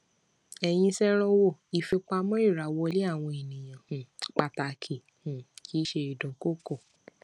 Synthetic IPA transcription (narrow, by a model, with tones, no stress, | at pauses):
ɛ˨j̃ĩ˧sɛ˦ɾ̃ɔ˧wo˦˨i˨fe˧k͡pa˧mɔ̃˦i˦˨ɾa˨wɔ˧˦le˦a˦˨w̃ɔ̃˧e˨nĩ˨j̃ã˨hũ˨k͡pa˧ta˧kʰi˨ | h̩˨ki˨˦ʃe˧i˨dɔ̃˨ko˦ko˦˨